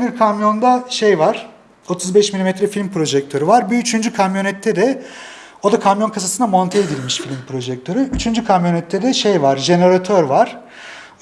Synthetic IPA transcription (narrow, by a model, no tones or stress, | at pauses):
biɾkʰamjo̞nd̪aʃe̞jvaɾ̥ | o̞t̪ʰuzbɛʃmilʲimɛt̪ʰɾɛfilʲmpɾo̞ʒɛk̚t̪ʰø̞ɾyvaɾbiːt͡ʃʰynd͡ʒykʰamjo̞nɛt̪ʰːɛd̪ɛ | o̞d̪akʰamjo̞nkʰasasɯnamo̞nt̪ʰeed̪ilʲmiʃfilʲmpɾo̞ʒɛk̚t̪ʰø̞ɾyyt͡ʃʰynd͡ʒykʰamjo̞nɛt̪ʰːɛd̪ɛʃe̞jvaɾʒe̞neɾat̪ʰøɾvaɾ̥